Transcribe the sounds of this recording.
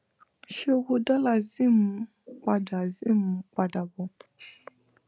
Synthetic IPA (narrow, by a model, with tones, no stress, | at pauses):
ʃe˦ɣu˦da˦la˨zi˦m̩˨ | k͡pa˨da˨zi˦˨m̩˨k͡pa˨da˨bɔ˨